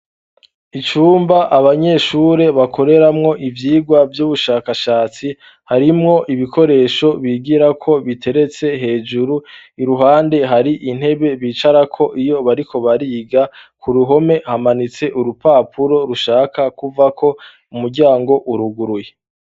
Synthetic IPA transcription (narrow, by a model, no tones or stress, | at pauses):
it͡ʃuːmbaʔaβaɲe̞ʃuːɾe̞βakʰo̞ɾe̞ɾamŋo̞ʔivjiːɡwavjuːβuʃaːkaʃaːt͡si | haɾimŋo̞ʔiβikʰo̞ɾe̞ːʃo̞βiːɡiɾakʰo̞βitʰe̞ɾe̞t͡se̞ɦe̞ːd͡ʒuɾuiɾuɦaːnde̞ɦaɾiʔin̥he̞βe̞βiːt͡ʃaɾakʰo̞ʔijo̞βaɾikʰo̞βaɾiːɡakʰuɾuɦo̞me̞hamanit͡se̞ʔuɾupaːpʰuɾo̞ɾuʃaːkakuvakʰo̞ | umuɾɟaːŋɡo̞ʔuɾuɡuɾuje